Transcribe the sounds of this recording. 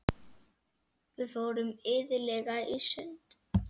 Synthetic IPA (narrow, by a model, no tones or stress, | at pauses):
vɪvowɾʏmɪðɪlɛɣaisʏnt̪